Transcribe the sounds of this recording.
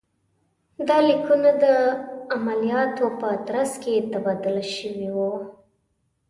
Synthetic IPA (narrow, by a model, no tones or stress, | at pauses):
d̪ɑlikunad̪əamalijɑt̪opət̪ɾasket̪abɑd̪ʊlʃəwiwu